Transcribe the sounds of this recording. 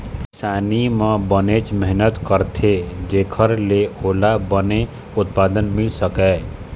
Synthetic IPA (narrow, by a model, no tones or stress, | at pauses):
ksaːnimãbənet͡ʃmɛɦnət̪kəɾt̪ʰed͡ʒeːkʰəɾleoːlabəne | ʊt̪̚paːd̪ənmɪlsəkɛː